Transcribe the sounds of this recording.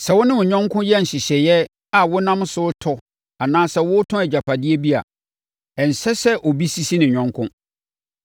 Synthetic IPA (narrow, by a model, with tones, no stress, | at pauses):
sɛ˨wʊ˦nɪ̃˦wʊ˨ɲᶣɔ̃˦ŋkʰʊ̃˦jɛ˦n̩˨ɕɪ˨ɕɛ˨jɛ˦ | a˨wʊ˦nã˦m˦sʊ˦tʰɔ˦ | a˨nãː˦sɛ˦wʊ˦tʰʊ̃˦ɛ˨d͡ʑa˨pʰa˨dɪ˦e˦bi˦a̰˨ | ɛ˨n̩˨sɛ˦sɛ˦ʔɔ˨bi˦si˦si˦nɪ̃˨ɲᶣɔ̃˦ŋkʰʊ̃˦